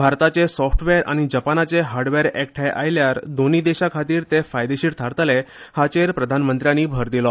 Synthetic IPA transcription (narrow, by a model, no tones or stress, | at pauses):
bʱaɾt̪at͡ɕesɔfʈʰʋeɾʔa̰ñid͡ʑəpanat͡seɦaɾɖʋeɾɛkʈʰajʔajljaɾd̪oniːd̪eɕakʰat̪iːɾt̪efajd̪eɕiːʈt̪ʰaɾt̪lehat͡ɕeɾpɾəd̪ʱanmənt̪ɾjaniːbʱəɾd̪ilɔ